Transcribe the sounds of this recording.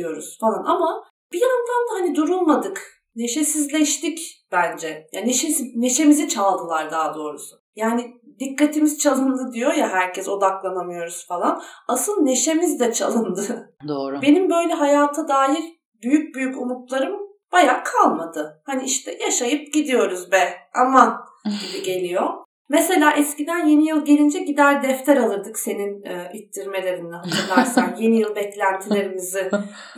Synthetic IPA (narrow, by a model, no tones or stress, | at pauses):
ijo̞ɾuz̥falˠanʔama | b̥ijand̪and̪ahanid̪uɾulˠmad̪ɯk | ne̞ʃesizlʲɛʃt̪icb̥ænd͡ʒɛjaneʃesine̞ʃe̞mizit͡ʃʰalˠd̪ɯlˠaɾd̪aːd̪o̞ːɾusʊ̥ | jaːnid̪ikːat̪ʰimizt͡ʃʰalˠɯnd̪ɯd̪ijo̞jaɦæɾcʰɛso̞d̪aklˠanamɯjo̞ɾuz̥falˠanasɯlˠne̞ʃe̞mizd̪ɛt͡ʃʰalˠɯnd̪ɯd̪oːɾbe̞nimbø̞jlʲɛɦajaːt̪ʰad̪aːɦiɾ | byjyc̚byjycumut̪lˠaɾɯm | b̥ajaːkʰalˠmad̪ɯhaniiʃt̪ʰɛjaʃajɯp̚ɟid̪ijo̞ɾuzbɛama | ɟibiɟe̞lʲijo̞ | mɛse̞lʲaːʔɛscid̪ænje̞nijɯlˠɟe̞lʲind͡ʒɛɟid̪æɾd̪ɛft̪ʰɛɾalˠɯɾd̪ɯkse̞ninːit̪ːiɾme̞lʲe̞ɾind̪ʲɛɦat̪ʰɯɾˠaɾsanjenijɯlˠbɛclʲænt̪ʰilʲe̞ɾimizi